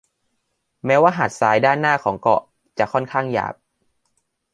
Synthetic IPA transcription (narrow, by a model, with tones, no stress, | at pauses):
mɛː˦˥waː˥˩ɦaː˨˩t̪̚saː˩˦jdaː˥˩nːaː˥˩kʰɔː˩˦ŋkɔ̰˧˩ | t͡ɕa˨˩ʔkʰɔ˥˩nkʰaː˥˩ŋja̰ː˨˩p̚